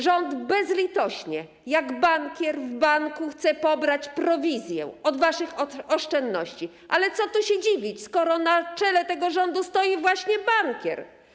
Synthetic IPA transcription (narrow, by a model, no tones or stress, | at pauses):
ʐɔnd̪bɛzlʲit̪ɔɕɲɛ | jaɡbaŋkʲjɛɾvbaŋkuxt̪sɛpɔbɾat͡ɕpɾɔvʲizʲjɛ̰ɔd̪vaʂɘxɔʂt͡ʂɛnd̪nɔɕt͡ɕi | ʔa̰lɛt̪sɔt̪uɕɛd͡ʑivʲit͡ɕskɔɾɔnat͡ʂɛlɛt̪ɛɡɔʐɔnd̪ust̪ɔjivwaɕɲɛbaŋkʲjɛ̰ɾ